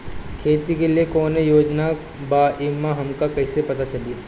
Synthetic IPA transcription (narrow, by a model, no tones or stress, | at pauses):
kʰeːt̪ikeliekɔːnejoːd͡ʒna | baːʔɪmaɦɐmkakɐisepɐt̪at͡ʃɐliaː